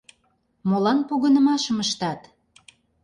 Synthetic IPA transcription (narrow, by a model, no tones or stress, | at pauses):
molɑnpuɣə̆nə̆mɑʃə̆məʃt̪ɑt̪